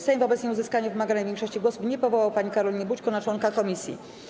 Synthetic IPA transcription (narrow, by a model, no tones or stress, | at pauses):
sajmvɔbɛt̪sɲɛuzɘskaɲɛvɘmaɡaɲɛvʲjɛŋkʂɔɕt͡ɕiɡwɔsupɲɛpɔvɔwawpaɲikaɾɔlʲiɲɛbut͡ɕkɔnat͡ʂwɔŋkakɔmʲisʲjḭ